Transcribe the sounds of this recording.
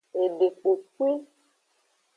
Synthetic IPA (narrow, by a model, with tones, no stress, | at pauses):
e˨ɖe˨k͡po˨kwi˦